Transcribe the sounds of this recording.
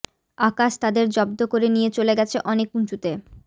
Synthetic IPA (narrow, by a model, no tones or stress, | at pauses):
akaʃt̪ad̪eɾd͡ʑɔb̚d̪okoɾenijet͡ɕoleɡɛt͡ɕʰeʔɔnekunt͡ɕut̪e